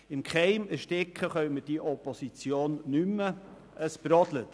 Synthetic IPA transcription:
ɪmkχɛɪməɾʃtɪkχəχœʏməd̥iʔɔposit͡sjoːnːymːə | ʔəsb̥ɾɔd̥lə

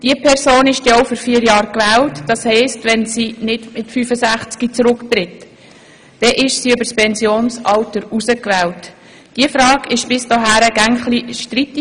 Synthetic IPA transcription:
d̥iəpʰɛrsoːnɪʃt̪ioʊfyɾfiːɾjɑːɾkʋɛːltd̥ɑshɛɪstʋɛnsinɪdmɪtfyfəsæχt͡skit͡sɾʊktɾɪt | d̥ɛʔɪʃsiøbəɾspɛnsjoːnsɑltəɾusəkʋɛːlt | d̥iəfɾɑːɡɪʃb̥ɪsdoɦæːɾəɡ̥æŋχliʃtritːi

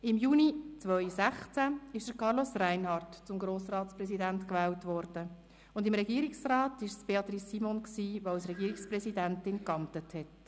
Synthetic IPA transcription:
ɪmjuːnit͡sʋœʏsæχt͡sæɪʃd̥əkɑɾlosræɪnhɑrtt͡sʊmɡɾoːsrɑːtt͡sprɛsidæntkʋɛːltʋɔɾd̥ə | ʊndɪmɾɛɡiːɾiksrɑːtɪʃsb̥eɑt̪risːimɔnksiːʋosɾɛɡiːɾiksprɛsidæntɪnkɑmtəthɛt

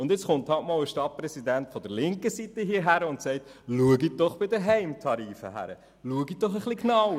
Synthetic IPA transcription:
ʊnd̪ɪt͡sχʊnthɑtmɑːwəʃtɑt̚prɛsidæntfɔd̥əɾlɪŋkəsitəɦiːɦæɾəʊntsɛɪtluəɡid̥ɔχb̥ɪdəɦɛɪmtʰɑɾiːfə̰ɦæ̰ɾə̰ | luəɡid̥ɔχəχliknɑw

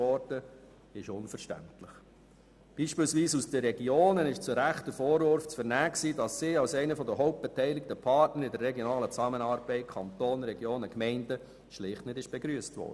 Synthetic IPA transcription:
ɔɾd̥ə | ɪʃʊnfəɾʃtæ̰ntlɪχ | b̥iːʃpɪːlsʋiːsusd̥əɾɛɡjoːnənɪʃt͡sʊɾæχt̪əfɔːɾvøɾft͡sfəɾnæːksiːdɑsːiːɑwsɛɪnəfɔd̪əɦɔʊp̚t̚b̥etɛɪlɪk̚təpʰɑtnəɾɪdəɾːɛɡjɔnɑːlət͡sɑmənɑːɾb̥ɛɪt̚kʰɑnt̪oːnɾɛɡjoːnəkmɛɪndə | ʃlɪχtnɪdɪʃb̥eɡɾyːəstʋɔ̰ːrd̥ə

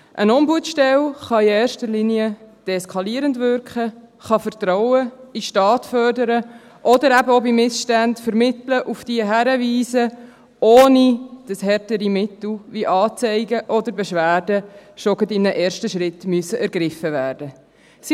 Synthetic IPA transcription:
ʔənɔmbuətʃtɛlχɑiɛːɾʃtəliniəd̥ɛskʰɑliːəɾəndvʏɾkχəχɑfəɾtɾɔwəiʃtɑːtfœrdəɾə | ʔɔdəɾæbəɔbimɪsʃtændfəɾmɪt̪ləʔufd̥iəɦæɾəviːsə | ʔoːnid̥ɑshɛɾtəɾimɪtl̩ʋiʔɑːt͡sɛɪɡəʔɔd̪əɾbɛʃʋæːɾdəʃoɡətɪmnəʔɛːɾʃtəʃɾɪtmyəsəʔæɾɡɾɪfəvæːɾd̥ə | s

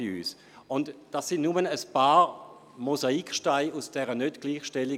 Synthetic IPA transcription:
ɪy̰ːs | ʊntd̥asɪnnumənəspaː | mozaikʃtaɪusd̥ɛːʁənœtɡ̥liːχʃtɛlɪ

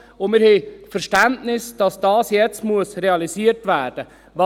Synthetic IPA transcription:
ʊnmɪːɾhefɛɾʃtæntnɪsd̥ɑsd̥ɑːsjɛt͡stmuəsreɑlisiːəɾtvæːɾd̥ə | vɑ

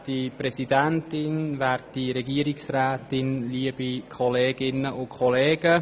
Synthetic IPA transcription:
dipɾɛsidæntɪnʋæːrtiɾɛɡiəɾɪksræːtɪnliəb̥ikʰχɔleːɡ̥ɪnːəʔʊkʰχɔleːɡ̥ə

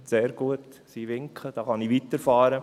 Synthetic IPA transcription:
seːɾɡ̥uət̪siːʋɪŋkχəd̥ɑːχɑniʋit̪əɾfɑːɾə

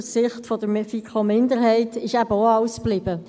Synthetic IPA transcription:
ssɪχtfɔd̥əɾfikʰomɪndəɾɦɛɪtɪʃæbəoɑʊsb̥lɪb̥ə

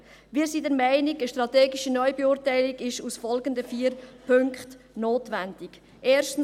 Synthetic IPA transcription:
viːɾsidɛɾmæɪniɡəʃtʁɑtɛːɡiʃənɔʏbɛʊɾtæɪliɡɪʃusfɔlɡəndəfiːɾpʰɵŋkχt | noːtʋændik | ʔeːɾʃtn̩

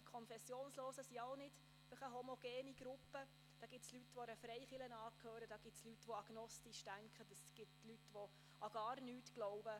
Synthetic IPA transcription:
kʰɔnfɛsːjoːnsloːsəsiaʊnɪt | fɪχəɦɔmɔɡ̥eːniɡ̥ɾʊpːə | d̥ɑːɡ̥ɪtslytʋɔɛɾəfɾɛɪχɪlənɑːkʰhøːɾəd̥ɑːɡ̥ɪt̪slytʋɔɑɡ̥nɔstiʃtæŋkχətəsɡ̥ɪtlytʋo | ɑɡ̥ɑːrnyːtɡ̥lɔʊb̥ə

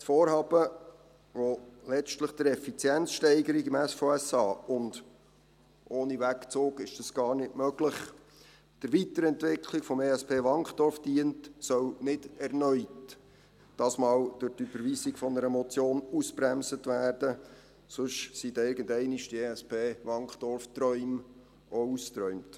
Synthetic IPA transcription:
tfoːɾhɑːb̥ə | ʋolɛt͡ʃtləχd̥əɾɛfit͡sjɛnt͡sʃtɛɪɡəɾiɡɪmæsfoɛsɑːʊnd̥ | ʔoːnivækt͡soːɡɪʃd̥ɑsɡ̥ɑːɾnɪtmœɡ̥ləχ | d̥əɾʋitəɾɛntʋɪkʰlikfɔmeːɛspʰeːʋɑŋχd̥ɔɾfd̥iəntsœwnɪd̥ɛrnœʏt | d̥ɑsmɑːwd̥ʊɾdyb̥əɾʋiːsikfɔnəɾəmɔt͡sjoːnuspɾæmsətʋæːrd̥ə | sʊʃsidɪɾɡəndɛɪniʃtieɛspʰeːʋɑŋkχd̥ɔrftɾœʏm | oust̪ɾœʏmt

